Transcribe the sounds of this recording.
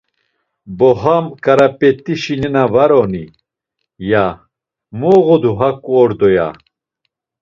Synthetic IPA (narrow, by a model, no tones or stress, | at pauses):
boɦɐmkɐɾɐpet̪iɕininɐvɐɾoni | ja | moːʁod̪uɦɐkoːɾd̪oja̰